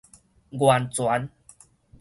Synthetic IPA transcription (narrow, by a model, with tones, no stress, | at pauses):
ɡwa˨˩nt͡swa˨˦n